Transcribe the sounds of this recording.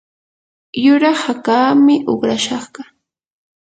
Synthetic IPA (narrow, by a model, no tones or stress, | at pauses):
jʊɾahakaːmɪʔoχɾaʃɑχɢɑ